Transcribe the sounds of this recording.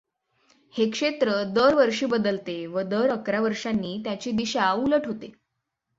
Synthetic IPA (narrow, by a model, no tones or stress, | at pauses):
hekʂet̪ɾəd̪əɾʋəɾʂiːbəd̪əlt̪eʋəd̪əɾəkɾaʋəɾʂanːiːt̪jat͡ɕiːd̪iɕauləʈʰɦot̪e